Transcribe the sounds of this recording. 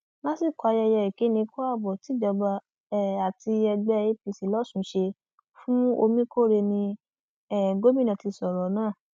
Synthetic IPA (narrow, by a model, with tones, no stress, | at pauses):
lã˦si˦˨kɔ˨a˧jɛ˧jɛ˧i˨ke˨˦nĩ˧ko˦a˦˨bɔ˨ti˨˦d͡ʒɔ˧ɡ͡ba˧ | ɛ˦˨a˨ti˧ɛ˧ɡ͡bɛ˦˧i˦pi˨si˨˦lɔ˦sũ˨˦ʃe˧ | fũ˦o˧mĩ˦ko˦˨ɾe˧nĩ˧ | ɛ˦˨ɡo˦mĩ˦˨nã˨ti˨˧sɔ˨ɾɔ˨˦nãː˦˨